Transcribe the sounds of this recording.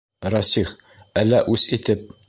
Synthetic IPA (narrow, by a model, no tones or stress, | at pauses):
ɾɑsiχ | ælːæʔʉsit̪ɘp̚